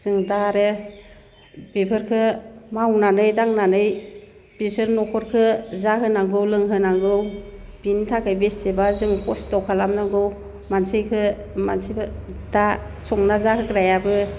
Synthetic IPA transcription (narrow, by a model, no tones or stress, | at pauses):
z̥ɯŋdaɾɯ | bepʰɯɾkʰɯmawnanɯjdaŋnanɯj | b̥isɯɾnɔkʰɔɾkʰɯzahɯnaŋɡɯwlɯŋɦɯnaŋɡɯwb̥intʰakʰɯjbesebazɯŋpʰɔstɔkʰalamnaŋɡɯw | mansɯjkʰɯ | mansijbada | sɔŋnazakʰɯkɾajabɯ